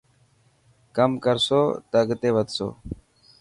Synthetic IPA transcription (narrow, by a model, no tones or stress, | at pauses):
kəmkəɾsoːt̪əɡt̪eːʋəd̪so̰ː